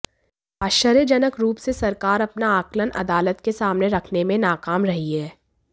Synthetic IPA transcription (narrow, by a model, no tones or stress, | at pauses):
aʃəɾjəd͡ʒɐnəkɾuːpsesɐɾkaːɾɐpnaaːklənʔɐ̰d̪aːlət̪kesaːmneɾɐkʰnemẽnaːkaːmɾɐɦiɦɛː